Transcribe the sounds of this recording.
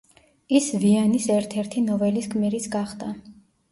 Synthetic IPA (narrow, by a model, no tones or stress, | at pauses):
isvianisɛɾt̪ʰɛɾt̪ʰinɔvɛlisɡmɛɾisɡaχd̪a